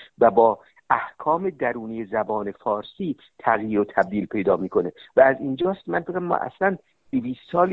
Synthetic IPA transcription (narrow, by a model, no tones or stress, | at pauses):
væbɒː | ʔæhkʰɒːme̞d̪æɾuːnijezæbɒːne̞fɒːɾsiː | t̪ʰæɣjiːɾot̪ʰæb̚d̪iːlpʰe̞jd̪ɒːmiːkʰo̞nevæːzind͡ʒɒːst̪mænfekæmːɒ̰ːʔæ̰slæn | d̪̥iviːst̪sɒːl